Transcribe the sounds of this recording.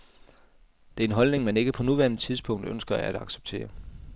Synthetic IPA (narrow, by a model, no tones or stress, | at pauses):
d̥e̝æɐe̝nɦɒ̽lne̝ŋmæne̝ɡ̥əpʰɒ̽nuʋæɐnət͡sʰið̞ˠsb̥ʰɔ̽ŋ̰d̥ønsɡ̥ɐææd̥ɑ̈ɡ̥se̥b̥t͡sʰe̝̰ːɐ